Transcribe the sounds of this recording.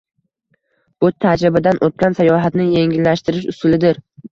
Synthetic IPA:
b̥ʊt̪ʰad͡ʒɾɪbad̪anʔot̪̚kʲansajɒɦat̪nɪje̞ŋʲɪlːaʃt̪ɪɾɪʃʊsʊlɪd̪ɪɾ

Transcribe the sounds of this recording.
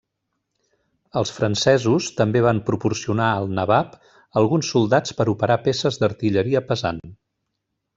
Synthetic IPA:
əlˠsfɾənsɛzust̪əmbeβ̞ampɾupursiunaəlˠnəβap | əlˠɣunsːulˠd̪at͡spəɾupəɾapesəzd̪əɾt̪iʎəɾiəpəzan

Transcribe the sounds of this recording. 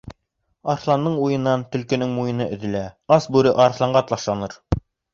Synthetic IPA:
ɑɾθlˠɑnːɤɴujɤ̆nːɑnt̪ɵ̆lkɘ̆nɘŋmujɤ̆nɤʔɵ̆ðɘ̆læɑsbʉɾɘʔɑɾθlˠɑɴɢɑt̪lˠɑʃlˠɑnɤɾ

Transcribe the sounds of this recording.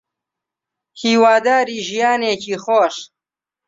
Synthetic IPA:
hiwaːd̪aːɾiʑijaːnekixoːʂ

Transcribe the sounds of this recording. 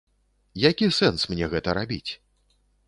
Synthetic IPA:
jakʲisɛnsmnʲɛɣɛt̪ɐɾabʲit͡sʲ

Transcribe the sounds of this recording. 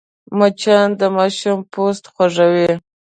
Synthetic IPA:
mat͡ʃɑnd̪əmɑʃʊmpost̪xwaʐawi

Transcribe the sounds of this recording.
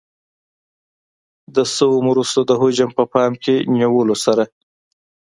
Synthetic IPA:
d̪əsəwomɾust̪od̪əɦod͡ʒampəpɑmkenjawəlosaɾa

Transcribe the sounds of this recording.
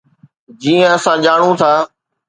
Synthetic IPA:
d͡ʑiːə̃ɐsãːʄaːɳ̃ũːt̪ʰaː

